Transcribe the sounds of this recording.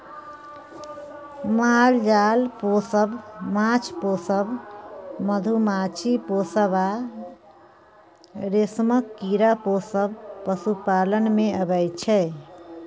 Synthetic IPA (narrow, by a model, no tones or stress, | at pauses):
maald͡ʒalposəbmat͡ʃʰposəb | məd̪ʱumat͡ʃʰiposəba | ɾesməkːiɾaposəbpəsupalənmeəbəjt͡ʃʰɛ